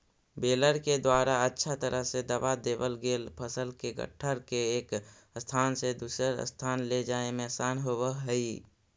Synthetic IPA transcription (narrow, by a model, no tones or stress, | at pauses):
beːləɾked̪waːɾaətːʃʰat̪əɾəɦsed̪əbad̪eːbəlɡeːlpʰəsəlkeɡə̰ʈʰːəɾkeeːk | st̪ʰaːnsed̪uːsəɾ̰st̪ʰaːnled͡ʒaːemẽsaːnɦobəɦəi